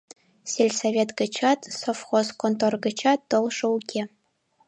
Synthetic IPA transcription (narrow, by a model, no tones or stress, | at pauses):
sʲelʲsɐvʲet̪ɡɤ̆t͡ɕɑt̪sofχoskont̪orɡɤ̆t͡ɕɑt̪ːɤ̆lˠʂɤ̆ukʲʰe